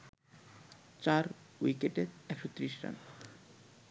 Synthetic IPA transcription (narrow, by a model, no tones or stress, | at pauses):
t͡ɕaɾwikeʈeɾɛkʃot̪ɾiʃɾa̰n